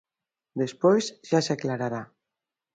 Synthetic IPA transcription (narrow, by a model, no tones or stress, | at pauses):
d̪espojzʒasaklaɾaɾa